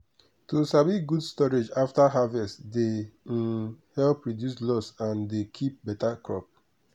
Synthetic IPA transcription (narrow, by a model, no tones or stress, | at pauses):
tusabiɡudstɔɹed͡ʒaftaɦavɛstde | hɛlpːɹɔdjuslɔsãndekʰip̚bɛtakʰɹɔ̰p̚